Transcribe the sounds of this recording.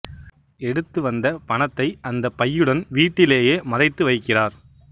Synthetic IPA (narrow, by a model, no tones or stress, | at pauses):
ɛɽɯt̪ːɯʋɐnd̪ɐpɐɳɐt̪ːɐɪʔɐnd̪ɐpːɐjːɯɽɐnʋiːʈːɪleːjeːmɐðɐɪt̪ːɯʋɐɪkːɪraːɾ